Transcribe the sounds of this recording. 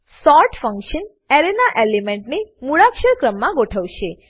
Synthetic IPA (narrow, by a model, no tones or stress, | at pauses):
sɔɾʈfəŋkʃən | eɾenaʔelimẽɳʈnemuɭakʃəɾkɾəmːãɡoʈʰəʋʃe